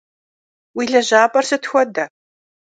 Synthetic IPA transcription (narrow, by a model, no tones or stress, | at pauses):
wiːɮɐʑaːpʼɐrsɨtxʷɔdɐ